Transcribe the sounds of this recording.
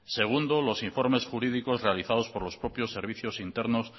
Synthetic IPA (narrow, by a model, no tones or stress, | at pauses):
se̞ɣ̞und̪olo̞siɱfo̞ɾme̞sxuɾið̞iko̞zre̞aliθað̞o̞spo̞ɾlo̞spɾo̞pjo̞sːe̞ɾβ̞iθjo̞sint̪e̞ɾnos